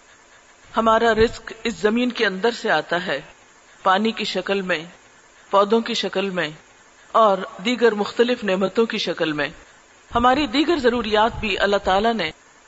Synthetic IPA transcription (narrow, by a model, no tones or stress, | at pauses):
hɐmaːɾaɾɪskɪszɐmiːnkeɐ̃nd̪əɾseaːt̪aɦɛː | paːnikiʃɐkəlmẽ | pɔːd̪õkiʃɐkəlmẽ | ɔːɾd̪iːɡəɾmʊxt̪əlɪfnɛːmət̪õkiʃɐkəlmẽ | hɐmaːɾid̪iːɡəɾzɐɾuːɾijaːt̪̚bʱiʔɐ̰lːaɦt̪aːlane